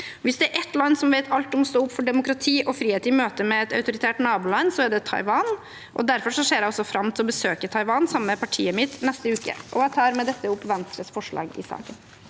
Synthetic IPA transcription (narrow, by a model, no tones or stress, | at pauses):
ʋɪsd̪ɛæɾʔɛt̪lɑnːsɔmʋeɪt̪ʰɑlt̪ɔmst̪oːʊpːfɔɖɛmʊkɾɑt̪ʰiːʔɔfɾiːeːt̪ɪmøːt̪əmɛːt̪ɑʉt̪ʊɾɪt̪ʰæːʈnɑːbuːlɑnːsɔæɖɛt̪ʰɑ̰ɪʋɑːn | ʔɔ̰d̪æɾfɔɾʂɔʂeːɖɛɔsːɔfɾɑmt̪ʰɪlɔbəsøːkət̪ʰɑɪʋɑːnsɑmːəpʰɑʈʰḭːəmɪt̪nɛst̪əʉːkə̰ʔɔ̰æt̪ʰɑːɾmɛd̪ɛt̪ːəʊpːʋɛnst̪ɾəsfɔʂɭɑ̰ːɡɪ̰sɑ̰ːkən